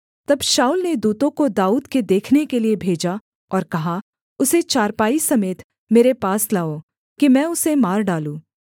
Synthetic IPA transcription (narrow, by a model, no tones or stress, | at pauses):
t̪ɐbʃaːulned̪uːt̪õkod̪aːuːd̪ked̪eːkʰnekeliebʱeːd͡ʒa | ɔːɾkɐɦa | ʊset͡ʃaːɾpaːisɐmeːt̪ | meːɾepaːslaːo | kimɛ̃ːʊsemaːɾɖaːlũː